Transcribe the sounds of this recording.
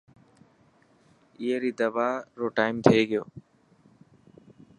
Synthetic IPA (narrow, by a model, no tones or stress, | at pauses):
ɪeɾiːd̪əʋaːɾoːʈaːɪmt̪ʰeːɡɪjoː